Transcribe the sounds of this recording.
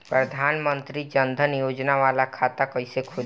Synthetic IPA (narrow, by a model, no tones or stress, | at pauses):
pɾəd̪ʱaːnmə̃nt̪ɾid͡ʒə̃nd̪ʱənjoːd͡ʒnaʋaːlakʰaːt̪akɐisekʰʊ